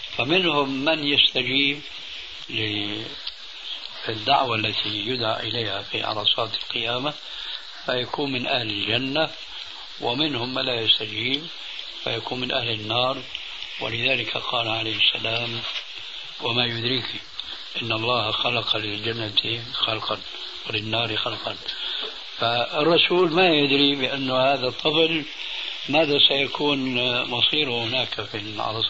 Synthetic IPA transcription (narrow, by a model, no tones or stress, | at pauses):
famɪnhʊmːanjast̪ad͡ʒiːb | lɪ | d̪ːaʕwalːat̪ʰijʊd̪ʕa̰ʔʔɪlajhafḭʕɑ̰ɾˤɑsˤɑːt̪ɪ̥lqɨjaːma | fajakuːnmɪnʔahlɪld͡ʒanːa | wʔɪmɪnhʊmːanlajast̪ad͡ʒiːb | fa̰jakuːnmɪnʔahlɪnːɑːɾˤ | wɪ̰lɪðaːlɪkʰa̰qʰɑːlʕalajhɪsːa̰laːm | wamajʊd̪ɾiːki | ʔɪnːɑlˤːɑːhxalɑqɑlɪld͡ʒanːat̪xɑlqɑn | wɪlɪnːɑːɾxɑlqɑn | faɪrˤːɑsuːlmajɪd̪ɾibɪʔanːʊhaːðat̪ˤːɨfl | maːðasajakʰuːnmɑsˤiːɾhʊnaːkfi | ʕa̰lɑ